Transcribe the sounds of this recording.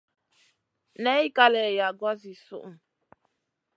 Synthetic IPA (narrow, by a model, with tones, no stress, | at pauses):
nɛ˦i˦ka˦lɛ˨ja˨ɡwa˦zi˨sṵ˦ʔu˨